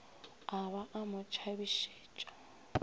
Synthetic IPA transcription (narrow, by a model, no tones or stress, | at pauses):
aβaʔamʊt͡ʃʰaβiʃeːt͡ʃʼḁ